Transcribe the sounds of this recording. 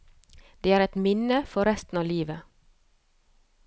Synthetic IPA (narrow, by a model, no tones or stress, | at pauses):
d̪̥eːæːɾɛt̪mɪnəfɔɾɛst̪n̩ɑːliːʋə